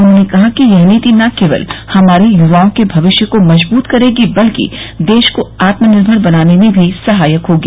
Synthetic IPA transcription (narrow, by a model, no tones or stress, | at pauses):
ʊnɦõːnekɐɦakijɐɦnit̪inɐkeːʋə̰lhɐmaːɾejʊʋaːõkebʱɐʋɪʃjəkomɐd͡ʒbuːt̪kɐɾeːɡibɐlkḭd̪eːʃkoaːt̪mənɪɾbʱəɽbɐnaːnemẽbʱisɐɦaːjəkɦoːɡiː